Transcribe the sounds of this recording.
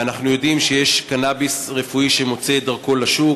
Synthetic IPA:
anaχnujo̞dimʃejeʃkanabisʁefuiʃe̞mo̞t͡sed̪aʁko̞laʃu

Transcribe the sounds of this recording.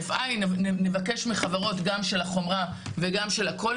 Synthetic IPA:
fʔajnnevake̞ʃmiχavaʁo̞t̪ɡamʃe̞laχo̞mʁa | veɡamʃe̞lako̞

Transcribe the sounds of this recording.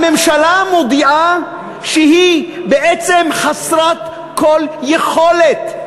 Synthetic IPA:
memʃalamod̪iʔa | ʃeɦibeʔet͡semχasɾat̪ | koljeχo̞let̪

